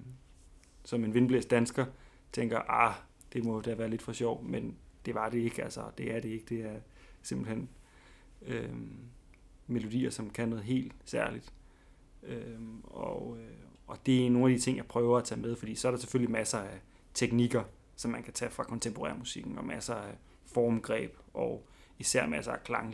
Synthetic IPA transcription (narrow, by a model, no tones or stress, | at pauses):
sɒ̽me̝nʋe̝nb̥lesd̥ænsɡ̥ɐ | t͡sʰeŋ̰ɡ̥ɐʔɑ | d̥e̝mɒ̽d̥æɐʋæːɐle̝d̥fɒ̽ɕɒʊ̰mend̥e̝ʋɑ̈ɾ̥e̝e̝ɡ̥ælsɐd̥e̝æɐɾe̝e̝ɡ̥̚d̥e̝æɐ | se̝mb̥l̩hen̰ | ø | me̝lo̝d̥ḭːɐsɒ̽mkʰænɔ̽ːð̩ˠɦe̝̰ːld̥sæɐlid̥ | øɒ | ɒ̽d̥e̝æno̝ːnæd̥it͡sʰe̝ŋ̰jɑ̈ɪpʰʁœːʊɐæt͡sʰɛ̰ːmeð̞ˠfɒd̥ḭːsɒɐɾ̥ɑ̈se̥føl̰limæsɐæ | t͡sʰeɡ̥niɡ̥ɐ | sɒ̽mːænkʰæt͡sʰɛːfʁɑ̈kʰɒ̽nt͡sʰempʰoʁɛ̰ːɐmusiɡ̥n̩ɒ̽mæsɐæ | fɒːmɡ̥ʁɛ̰ːb̥ʔɒ̽ | isæɐ̰mæsɐækʰlɑ̈ŋ